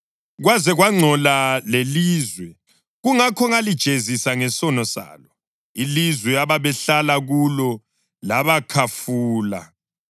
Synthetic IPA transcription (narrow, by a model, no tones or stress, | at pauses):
ɣwazɛɣwaŋ͡ǀʱɔlaleliːzwɛ | ɣuŋakʰɔŋalid̥ʒ̥ʱezisaŋɛsɔnɔsa̰ːlɔ | ilizwɛaβaβɛɬalaɣulɔ | laβakʰafuːla̰